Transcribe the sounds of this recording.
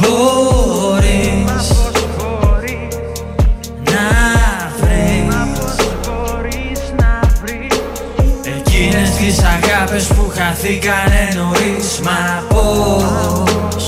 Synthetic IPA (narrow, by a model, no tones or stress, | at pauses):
bo | ɾis | nɐ | vɾis | e̞cinest̪isɐɣɐpespuxɐθikɐnenoɾismɐpo | s